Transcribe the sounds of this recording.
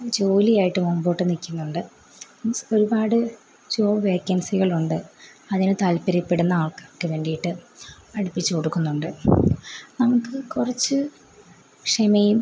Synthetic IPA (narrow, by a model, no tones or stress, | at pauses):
d͡ʑo̞ːlijaːjiʈːɨmoːmbo̞ːʈːɨnikʲːunːuɳɖɨ | oɾubaːɽɨ | d͡ʑo̞ːʋeːkːɐnsiɣɐɭuɳɖɨɐðinɨt̪ɐlpɐɾipːe̞ɽunːɐaːɭkakːɨʋe̞ːɳɖijiʈːɨɐɽipːit͡ɕːɨkoɽukːunːuɳɖɨ | nɐmukːɨkurɐt͡ɕːɨ | kʂemejum